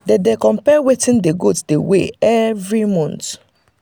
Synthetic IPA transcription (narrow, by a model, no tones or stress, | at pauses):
dedekɔ̃mpɛwetĩndeɡotdeweɛvɹimɔ̃nt